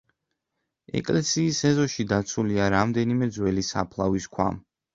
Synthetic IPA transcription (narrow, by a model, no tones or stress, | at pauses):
ɛ̰kʼlɛsiːsɛzɔʃid̪at̪sʰuliaɾamd̪ɛnimɛd̪zwɛlisa̰pʰlˠaviskʰwa̰m